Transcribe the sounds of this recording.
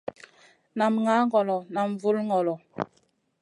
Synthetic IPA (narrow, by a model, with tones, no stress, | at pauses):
na˨mŋa˨˦ŋɡɔ˨lɔ˨na˨mvu˦lŋɔ˨lɔ˨